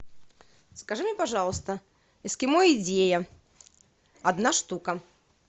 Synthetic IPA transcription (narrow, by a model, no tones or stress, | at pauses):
skɐʐɨmʲepɐʐɑlˠəst̪ə | ɪskʲɪmojɪdʲejə | ɐd̪naʂt̪ukə